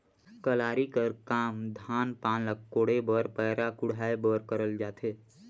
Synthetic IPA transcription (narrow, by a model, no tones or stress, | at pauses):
kəlaːɾikəɾkaːmd̪ʱaːnpaːnləkkːoːɽebəɾpɛːɾakʊɽ̤ʱaːebəːɾkəɾəld͡ʒaːt̪eː